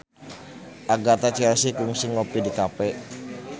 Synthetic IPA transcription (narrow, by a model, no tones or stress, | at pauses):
ʔaɡat̪at͡ʃɛlsikuŋsiŋɔpidikapɛ